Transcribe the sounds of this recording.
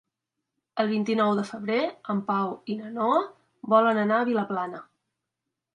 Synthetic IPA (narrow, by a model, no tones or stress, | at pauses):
əlˠβ̞int̪inɔwðəfəβ̞ɾeəmpawinənoə | bɔlənənaəβiləplanə